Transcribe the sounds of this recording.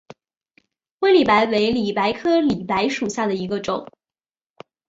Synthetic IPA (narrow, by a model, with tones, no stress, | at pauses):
xwe˥li˨˩pa˧˥ɪwe˧˥ɪli˨˩pa˧˥ɪkʰɤ˥li˨˩pa˧˥ɪʂu˨˩ɕja˥˩d̪ə˩i˧˥ɡə˧ʈ͡ʂʊ˨˩˦ŋ